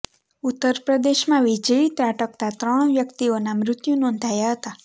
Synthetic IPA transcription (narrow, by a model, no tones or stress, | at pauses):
ut̪ːəɾpɾəd̪eʃmãʋid͡ʒəit̪ɾaʈək̚t̪at̪ɾəɳ̃ʋjəkt̪ionamɾɪt̪junɔ̃nd̪ʱajaɦət̪a